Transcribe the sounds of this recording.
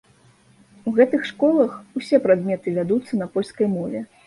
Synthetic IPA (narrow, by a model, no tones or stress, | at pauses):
uɣɛt̪ɨxʂkɔlˠɐxusʲɛpɾad̪mʲɛt̪ɨvʲad̪ut̪sːɐnɐpɔlʲskɐjmɔvʲɛ